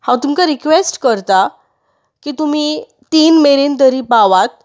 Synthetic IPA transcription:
hãwt̪umkaɾikʋesʈkəɾt̪a | kiːt̪um̤i | t̪iːnmeɾint̪əɾiːpaʋat̪̚

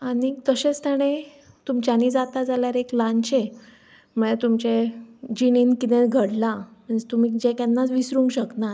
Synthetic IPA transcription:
aɽit̪əɕet͡st̪ɛɽ̃e | t̪umt͡ɕanid͡zat̪ad͡zaljaɾeklãnt͡ɕe | mət̪umt͡ɕed͡ʑininkit̪ɛ̃ɡʱəɽlamənd͡ʑet̪umikd͡ʑekɛnːat͡sʋisɾũŋkɕəknaɾ

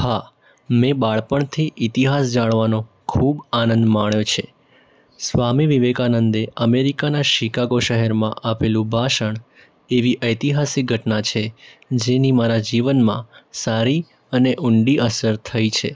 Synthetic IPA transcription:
ha | mẽbaɭpəɳt̪ʰiʔit̪iɦasd͡ʒaɽ̃ʋano | kʰubanənd̪maɳjot͡ʃʰe | sʋamiʋiʋekanənd̪eəmeɾikanaʃikaɡoʃəɦɛɾmã̰ʔapelũbʱaʃəɳ | eʋiʔəjt̪iɦasik̚ɡʱəʈnat͡ʃʰed͡ʒenimaɾad͡ʒiʋənmã̰saɾi | əneʔʊɳɖiəsəɾt̪ʰəit͡ʃʰe

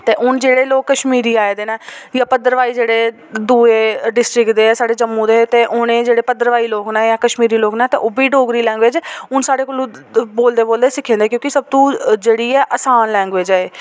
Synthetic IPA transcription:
t̪eːʔʊnd͡ʒeːɽeːloːkːəʃmiːɾiːaːeːd̪eːnɛːjãːpəd̪əɾʋaːiːd͡ʒeːɽeː | d̪uːeːɖɪsʈɾɪkd̪eːsaːɖeːd͡ʒəmːũːd̪eːt̪eːʔʊnẽːd͡ʒeːɽeːpəd̪əɾʋaːiːloːknɛːjãːkəʃmiːɾiːloːknɛ̃ːt̪eːʔobiːɖoːɡɾiːlɛ̃ːŋɡʋeːd͡ʒʊnsaːɽeːkoːlõːboːld̪eːboːld̪eːsɪkʰːẽːnd̪eːkjõːkɪsəb̚t̪ũːd͡ʒeːɽiːɛːʔəsaːnlɛ̃ːŋɡʋeːd͡ʒɛː

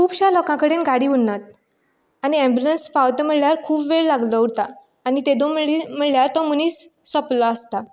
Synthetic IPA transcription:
kʰuːpɕalɔkãkəɽenɡaɽiːunːat̪̚ | añiɛ̃mbjulənsfawt̪əm̤əɭljaɾkʰuːpʋeɭlaɡlɔut̪aː | nit̪ed̪oməɭim̤əɭljaɾt̪ɔmuniːsːɔplɔəst̪a

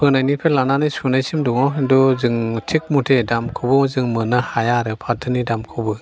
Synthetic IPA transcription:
pʰɯŋnajnipʰelːananɯjsunajsimdɔŋɔɦendɔzɯŋtʰik̚mutʰedamkʰubɔzɯŋmɯnahajaɾɯpʰatʰɯnidamkʰɔbɯ

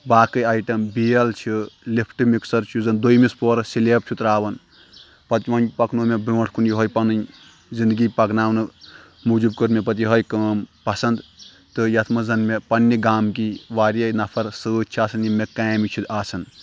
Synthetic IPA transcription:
baːkɨaːjʈɐmbijɐlt͡ʃʰilipʰʈɨmiksɐɾt͡ʃʰuzɐnd̪ojmispoːɾɐsileːp̚t͡ʃʰut̪ɾaːʋɐn | pɐt̪iʋɐnpɐknuːmebiʋɐʈʰkunjuɦɐjpɐnɨn | zind̪ɡipɐknaːwnɨ | mud͡ʒubkɨɾmepɐt̪̬iɦɐjkɐmpɐsɐnd̪ | t̪ɨjɐt̪ʰmɨzɐnmepɐnːiɡaːmkiʋaːɾiɐjnɐpʰɐɾsɨt͡ʃʰiaːsɐnjimekajmit͡ʃʰut̪aːsʰɐn

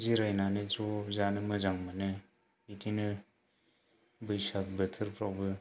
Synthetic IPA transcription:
ziɾajnanɯzɔzanɯmɯzaŋmanɯ | itʰinɯ | bɯjsak̚bɯtʰɯɾpɾawbɯ

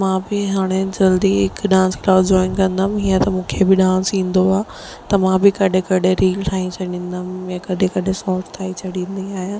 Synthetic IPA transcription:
mãːbɪɦaːɽ̃ed͡ʑɐld̪iɦɪkɗãːnsklaːd͡ʑɔːɪnkɐ̃nd̪amɦiːə̃t̪ɐmũːkʰebɪɗãːnsĩːn̆d̪oaː | t̪ɐmãbɪkɐɗʱẽkɐɗeɾiːlʈ̪ʰaːɦĩt͡ɕʰɐɗĩːnd̪əmjãkɐɗẽkɐɗẽsɔːʈt̪ʰaːit͡ɕʰɐɗĩːnd̪iaːɦijãː

